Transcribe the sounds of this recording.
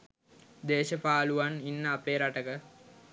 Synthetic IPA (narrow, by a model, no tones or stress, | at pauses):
d̪eːʃəpaːluʋaninːəapeːɾaʈəkə